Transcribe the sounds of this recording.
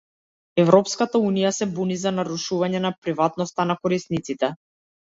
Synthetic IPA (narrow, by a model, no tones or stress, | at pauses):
ɛvɾɔpskat̪aunijasɛbunizanaɾuʃuvaɲɛnapɾivat̪nɔst̪anakɔɾisnit̪sit̪ɛ